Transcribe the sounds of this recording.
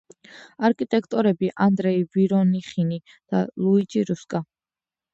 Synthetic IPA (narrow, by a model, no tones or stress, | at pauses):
aɾkʼit̪ʼɛkʰt̪ʼɔɾɛbiʔand̪ɾɛiviɾɔniχini | d̪̥alˠuid͡ʒiɾuskʼa